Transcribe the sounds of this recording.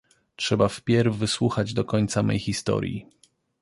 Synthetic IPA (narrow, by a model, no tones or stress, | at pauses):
tʂɛbafpʲjɛɾvːɘswuxad͡ʑd̪ɔkɔɲt̪samɛ̰jxʲist̪ɔ̰ɾʲjḭ